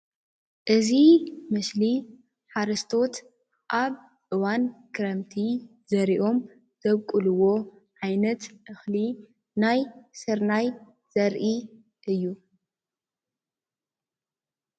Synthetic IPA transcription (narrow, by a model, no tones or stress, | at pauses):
ʔɨzimɨsli | ħaɾɨst̪ʰo̞t̪ | ʔaβ | ʔɨwankʰɨɾɐmt̪ʰi | zɐɾiʔo̞m | z̥ɐβkʼɨlɨwo̞ | ʕajnɐt̪ʔɨxli | najsɨɾnaj | z̥ɐɾʔi | ʔɨjːu